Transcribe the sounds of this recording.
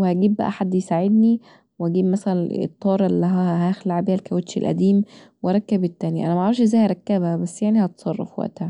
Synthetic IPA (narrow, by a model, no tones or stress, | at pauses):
wehæɡiːbbæ̰ʔæ̰ħad̪ːjsaʕed̪ni | wehæɡiːbmæsælænḛt̪ˤːɑːɾˤɑlːiɦæhæxlaʕbiːhælkæwet̪ʃḛlʔæ̰d̪iːm | whæɾˤɑkːæbet̪ːæːnjæʔæ̰næmæʕɾˤɑfʃʔezːæjhæɾˤɑkːæbhæbæsːjaʕnihɑt̪sˤɑrˤːɑ̰fwæ̰ʔt̪hæ